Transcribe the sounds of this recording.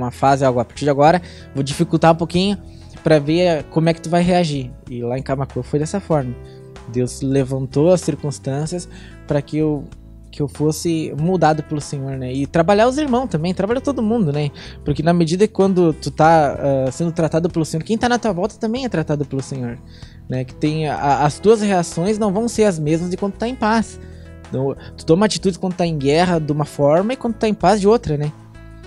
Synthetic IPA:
mɐfazɪawɡʊapaɾt͡ʃiɾd͡ʒaɡɔɾɐ | vod͡ʒifikut̪aũpokĩɲʊ | pɾɐveɾkõmʊɛkɪt̪uvajɦeaʒiɾɪlaẽkamakofojd̪ɛsɐfɔɾmɐ | d̪ewz̥levɐ̃nt̪owɐsːiɾkũst̪ɐ̃siɐs | pɾɐkɪew | kɪewfosɪmud̪ad̪ʊpelʊsẽɲoɾnɛɪt̪ɾabaʎaʊziɾmɐ̃w̃st̪ɐ̃mbẽj̃t̪ɾabaʎat̪od̪ʊmũnd̪ʊnɛpoɾkɪnɐmed͡ʒid̪ɐkɪ̥kwɐ̃nd̪ʊt̪ut̪aɛsẽnd̪ʊt̪ɾat̪ad̪ʊpelʊsẽɲoɾkẽt̪anɐt̪uɐvɔwt̪ɐ̥t̪ɐ̃mbẽj̃ɛt̪ɾat̪ad̪ʊpelʊsẽɲoɾ | nɛkɪ̥t̪ẽj̃aɐst̪uɐsheasõj̃znɐ̃w̃vɐ̃w̃seɾɐzmezmɐzd̪ɪkwɐ̃nd̪ʊt̪aẽj̃pas | t̪u̥t̪õumat͡ʃit̪ud͡ʒɪkɐ̃d̪ʊt̪aẽɡɛɦɐd̪ɪũmɐfɔɾmɐɪkwɐ̃d̪ʊʊt̪aẽj̃pazd͡ʒɪot̪ɾɐnɛ

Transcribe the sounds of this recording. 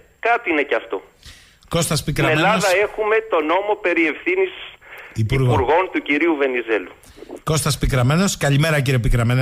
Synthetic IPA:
kɐt̪iine̞cɐft̪o̞ | ko̞st̪ɐspikɾɐelɐðɐe̞xume̞t̪o̞no̞mo̞pe̞ɾie̞fθinisipiuɾɣpuɾɣo̞nt̪uciɾiuve̞nize̞lu | ko̞st̪ɐspikɾɐme̞no̞skɐʎime̞ɾɐciɾiopikɾɐmen

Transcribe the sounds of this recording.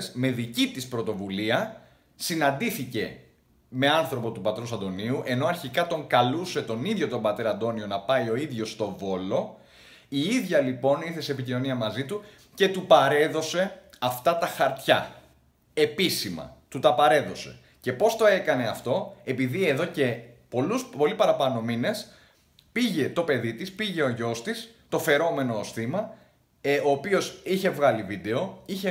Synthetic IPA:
sme̞ðicit̪ispɾo̞t̪o̞vuliɐ | sinɐnd̪iθice̞ | me̞ɐnθɾo̞po̞t̪upɐt̪ɾusɐnd̪o̞niuʔe̞no̞ɐɾçikɐt̪o̞ŋkɐluse̞t̪o̞niðʝo̞t̪ombɐt̪e̞ɾɐnd̪o̞nio̞nɐpɐjo̞iðʝo̞st̪o̞vo̞lo̞ | iiðʝɐlipo̞niɾθeseːpicino̞niɐmɐzit̪u | ce̞t̪upɐɾe̞ðo̞se̞ɐft̪ɐt̪ɐxɐɾt̪çɐ | e̞pisimɐ̰t̪ut̪ɐpɐɾe̞ðo̞se̞̰ | ce̞po̞st̪o̞ekɐne̞ɐft̪o̞e̞piðie̞ðo̞ce̞po̞luspo̞lipɐɾɐpɐno̞mine̞s | piʝe̞t̪o̞pe̞ðit̪ispiʝe̞o̞ʝo̞st̪ist̪o̞fe̞ɾo̞me̞no̞sθimɐ | o̞ːpio̞siçe̞vɣɐlivid̪e̞o̞içe

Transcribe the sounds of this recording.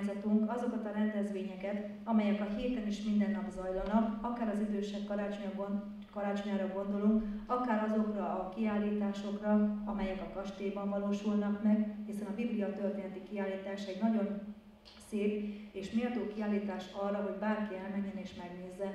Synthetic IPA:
zɒt̪uŋkɒzo̞kɒt̪ɒɾɛnd̪ɛzʋeːɲɛkɛt̪ | ɒmɛjɛkɒɦiːt̪ɛniʃmind̪ɛnːɒbzɒjlɒnɒkɒkaːɾɒzid̪øːʃɛkːɒɾaːt͡ʃoɲɡ | kɒɾaːt͡ʃoɲaːɾɒɡo̞nd̪o̞luŋkɒkaːɾɒzo̞krɒʔɒkiaːlːiːt̪aːʃo̞krɒɒmɛjɛkɒkɒʃt̪eːbɒɱvɒloːʃulnɒkmɛɡhisɛnɒbiblijɒt̪ørt̪eːnɛt̪ikiaːlːiːt̪aːʃɛɟnɒɟo̞n | seːpeːʃmiɒt̪oːkiaːlːiːt̪aːʃɒrːɒɦo̞ɟbaːrkiɛlmɛɲːɛneːʃmɛɡneːzːɛn

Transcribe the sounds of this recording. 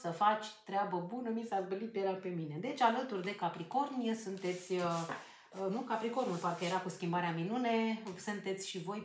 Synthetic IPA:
səfat͡ʃʲt̪ɾeabəbunəmisazbəlit̪̚peɾape̞mine̞d̪e̞t͡ʃʲalət̪urd̪e̞kapɾiko̞rnijəsunt̪e̞t̪sʲə | nukapɾiko̞rnupat̪kəjeɾakuskʲimbaɾeaminunesɨnt̪e̞t̪sʲʃivo̞j

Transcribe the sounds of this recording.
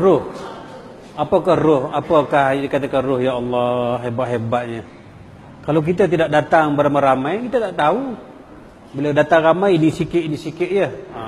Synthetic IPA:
rʊh | apakahrʊhapəkahdikat̪akanrʊhjaɑlːɑɦebaʔ̪ɦebaʔ̪̚ɲə | kalawk̬it̪̬at̪idaʔ̚dat̪aŋbəɾamaɾamajkit̪ət̪aʔt̪au | bilawdat̪aŋramajinisikɪʔ̪inisikɪʔ̪jə

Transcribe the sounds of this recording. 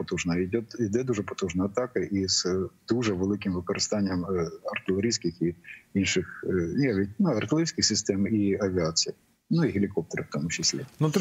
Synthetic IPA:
pɔt̪ɔʐnɐɪdʲot̪id̪ɛd̪uʐɛpɔ̥t̪ɔʒnɐɐt̪ɑkɐʔisd̪uʐɛʋɨlˠɪkʲɪmʋɪkɔɾɨst̪ɑnʲːɪjɛmɐrt̪ɪlˠɐɾʲijsʲkʲɪxiinʃɪxnɐʋʲit̚ʲnuɐrt̪ɪlˠɾʲijsʲkʲɪxsʲɪst̪ɛmiɐʋʲɪasʲɪjɐ | nuiɦɪlʲɪkɔp̚t̪ɐɾɐft̪omʊt͡ɕːɪsʲlʲḛnut̪

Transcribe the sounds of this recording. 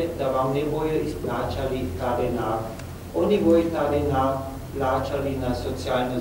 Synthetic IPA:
ed̪aʋamnebojoisplaːt͡ʃalit̪aːɾena | onibojt̪aɾena | plaːt͡ʃalinasot͡sijalno

